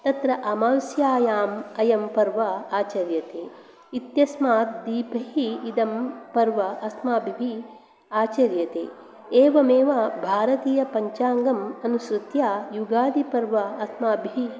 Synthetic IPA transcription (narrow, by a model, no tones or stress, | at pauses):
t̪ɐt̪ɾɐʔɐmaːwsjaːjaːmɐjɐmpɐɾʋɐaːt͡ʃɐɾjɐt̪eː | it̪jɐsmaːt̪̚d̪iːpʰɐɦiːd̪ɐmpɐɾʋɐʔɐsmaːbʱiʋʱi | aːt͡ʃɐɾjɐt̪ḛː | eːʋɐmeːʋɐbʱaːɾɐt̪iːjɐpɐɲt͡ʃaːŋɡɐmɐnuʃɾut̪jaːjuɡaːd̪ipɐɾʋɐːsmaːbʱiʋi